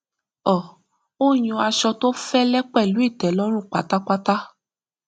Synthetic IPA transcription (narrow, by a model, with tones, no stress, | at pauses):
ɔ˨ | o˦jũ˧a˧ʃɔ˧to˦fɛ˦lɛ˦k͡pɛ˦˨lu˨˦i˦˨tɛ˨˦lɔ˦ɾ̃ũ˦˨k͡pa˨ta˦k͡pa˦ta˦